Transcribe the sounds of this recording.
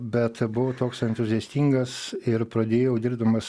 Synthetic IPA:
bʲɛt̪bʊʋoːt̪oːksɛnt̪ʊzʲɪɛsʲt̪ʲiŋɡɐsɪɾpɾɐd̪ʲeːjoʊd̪ʲɪɾbd̪ɐmɐs

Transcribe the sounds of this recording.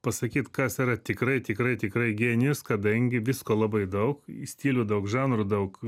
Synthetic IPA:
pɐsɐkʲiːt̪kɐsiːɾɐt̪ʲɪkɾɐɪt̪ʲɪkɾɐɪt̪ʲɪkɾɐɪɡʲeːnʲɪjʊskɐd̪ɐŋʲɡʲɪʋʲɪskoːlˠɐbɐɪd̪ɐʊksʲt̪ʲiːlʲʊd̪ɐʊkʒɑːnɾʊd̪ɐʊk

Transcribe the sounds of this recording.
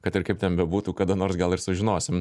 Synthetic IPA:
kɐt̪ɪɾkɐɪpt̪ʲɛnbʲɛbuːt̪uːkɑːd̪ɐnoːɾsɡɐlˠɪɾsʊʒʲɪnoːsʲɪm

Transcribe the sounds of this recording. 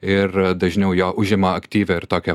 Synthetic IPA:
ɪɾd̪ɐʒʲnʲɛʊjoːʔʊʒʲɪmɐɐkt̪ʲiːʋʲɛɪɾt̪oːkʲɛ

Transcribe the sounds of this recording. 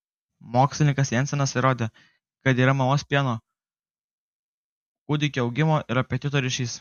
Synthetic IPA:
moːksʲlʲɪnʲɪŋkɐsjɛnʲsʲɛnɐsɪɾoːd̪ʲeː | kɐt̪iːɾɐmɐloːsʲpʲiɛnoː | kʊd̪ʲɪkʲoɒʊɡʲɪmoːʔɪɾɐpʲɛt̪ʲɪt̪oːɾʲɪʃʲiːs

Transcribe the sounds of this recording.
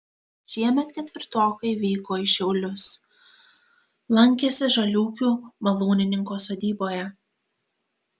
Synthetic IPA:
ʃʲiɛmʲɛt̪kʲɛt̪ʲʋʲɪɾt̪oːkɐɪʋʲiːkoːɪʃʲɛʊlʲʊs | lˠɐŋʲkʲesʲɪʒɐlʲuːkʲuːmɐlˠuːnʲɪnʲɪŋkoːsoːd̪ʲiːboːjɛ

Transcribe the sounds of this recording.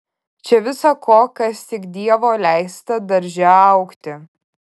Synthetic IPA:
t͡ʃʲɛʋʲɪsɐkʰoːkɐst̪ʲɪkd̪ʲiɛʋoːlʲæɪst̪ɐd̪ɐɾʲʒʲɛɐʊkt̪ʲɪ

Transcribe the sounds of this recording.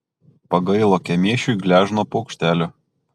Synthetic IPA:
pɐɡɐɪlˠoːkʲɛmʲiɛʃʲuɪɡlʲæːʒnoːpɔʊkʃʲt̪ʲæːlʲʊ

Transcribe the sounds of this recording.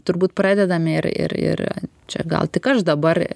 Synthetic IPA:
t̪ʊɾbuːt̪̚prɑːd̪ʲɛd̪ɐmʲɪɪrɪ̰ɾɪ̰rt͡ʃʲɛ̰ɡɐ̰lˠt̪ʲɪkɐʃd̪ɐbɐr

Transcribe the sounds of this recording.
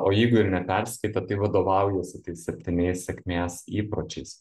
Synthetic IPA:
oːjɛɪɡʊɪɾnʲɛpʲɛɾʲsʲkɐɪt̪ɐt̪ɐɪʋɐd̪oːʋɐˑʊjɛːsʲɪt̪ɐɪssʲɛpʲt̪ʲɪnʲɛɪsʲsʲɛkʲmʲeːsiːpɾoːt͡ʃʲɛɪs

